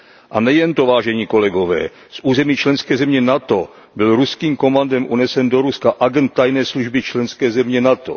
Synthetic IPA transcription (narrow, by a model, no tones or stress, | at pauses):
ʔanɛjɛnt̪ovaːʒɛɲiːko̞lɛɡo̞vɛ̰ː | sʔuːzɛmiːt͡ʃlɛnskɛːzɛmɲɛnat̪o̞ | bɪlɾuskiːmko̞mandɛmʔunɛsɛndoɾuskaʔaɡɛnt̪̚t̪ːajnɛːsluʒbɪt͡ʃlɛnskɛːzɛmɲɛnat̪o̰